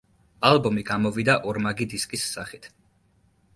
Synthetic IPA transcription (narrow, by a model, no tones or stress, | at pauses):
alˠbɔmiɡamɔvid̪aʔɔɾmaɡid̪iskʼisːaχit̪ʰ